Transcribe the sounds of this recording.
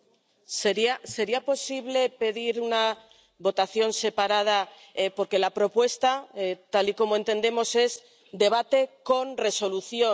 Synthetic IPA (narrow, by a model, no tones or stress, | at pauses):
seɾiase̞ɾiapo̞siβle̞pe̞ðiɾuna | βo̞t̪aθjo̞nse̞paɾað̞a | epo̞ɾke̞lapɾo̞pwe̞st̪aet̪aliko̞moe̞nt̪e̞nd̪e̞mo̞se̞z | d̪e̞β̞at̪e̞ko̞nre̞so̞luθjo